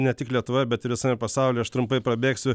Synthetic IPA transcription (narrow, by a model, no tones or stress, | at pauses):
nʲɛt̪ʲɪklʲiɛt̪ʊʋɐbʲɛt̪ɪɾʋʲɪsɐːmʲɛpɐsɑˑʊlʲeːɐʃt̪ɾʊmpɐɪpɾɐbʲeːksʲʊ